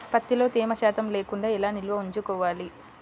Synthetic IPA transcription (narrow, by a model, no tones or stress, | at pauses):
pɐt̪ːilo̞ːt̪iːmɐʃaːt̪ɐmle̞ːkuɳɖaːɛlaːnilʋɐuɲt͡ʃukɔːʋaːli